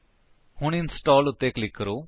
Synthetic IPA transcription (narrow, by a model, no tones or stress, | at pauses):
hʊɳ̃ɪnsʈɔːlʊt̪ːeklɪkːəɾoː